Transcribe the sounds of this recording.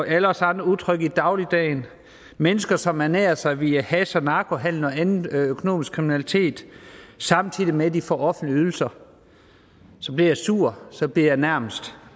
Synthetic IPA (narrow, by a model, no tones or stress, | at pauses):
ɒʔæləɒsɑ̈nd̥ɐuðˠt͡sʰʁœɡ̥id̥ɑ̈ʊlid̥ɛ̰ːn | menəsɡ̥ɐsɒ̽mæɐnḛːɐsɑ̈ɪʋiæhæsɐnɑ̈ːkʰo̝ɦæn̰n̩ɒ̽ænn̩økʰo̝no̝̰ːmisɡ̥kʰʁiminælit͡sʰe̝̰ːd̥sɑ̈mnt͡sʰið̰ˠimed̥ifɒ̰ːɒ̽fn̩dliyðˠl̩sɐ | sɒ̽b̥liɐjɑ̈ɪsuɐ̰sɒ̽b̥liɐ̰jɑ̈ɪnæɐ̰məsd̥